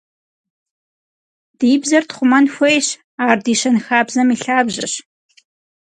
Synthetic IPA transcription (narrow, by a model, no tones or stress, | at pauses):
d̥iːbzɐrtχʷʊmɐnxʷejɕ | aːrdiːɕɐnxaːbzɐmiːɬaːbʑɨɕ